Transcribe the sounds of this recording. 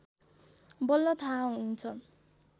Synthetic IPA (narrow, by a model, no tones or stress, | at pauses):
bʌlːʌt̪ʰaɦunt͡sʰʌ